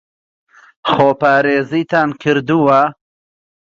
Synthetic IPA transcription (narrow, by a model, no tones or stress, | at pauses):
xoːpaːɾeːzit̪aːnkʰɪɾd̪uwa